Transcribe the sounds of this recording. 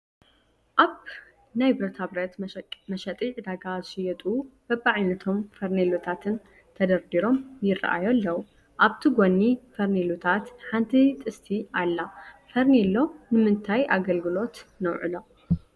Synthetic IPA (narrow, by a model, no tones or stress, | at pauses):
ʔaβ | najbɨɾɐt̪ʰabɾɐt̪mɐʃɐt̪ʼiʕd̪aɡazɨʃɨjɛt̪ʼub̥ɐbaʕajnɐt̪ʰo̞mfɐɾnelut̪ʰat̪ʰɨn | t̪ʰɐd̪ɐɾd̪iɾo̞mjɪra̰ʔa̰jolːɐw | ʔaβt̪ʰiɡonːifɐɾnelut̪ʰat̪ħant̪ʰit̪ʼɨst̪ʰialːafɐɾnilo̞nɨmɨnt̪ʰajʔaɡɐlɡɨlo̞t̪nɐwʕɨ̰lo